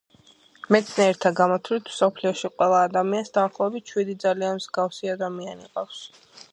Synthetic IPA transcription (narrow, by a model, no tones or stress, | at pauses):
mɛt̪sʰnɛɛɾt̪ʰaɡamɔt̪ʰlit̪ʰm̥sɔpʰliɔʃiqʼwɛlˠaːd̪amiansd̪aːχlˠɔɛbit̪̚t͡ʃʰwid̪id̪zalianmz̥ɡafsiad̪amianḭqʼafs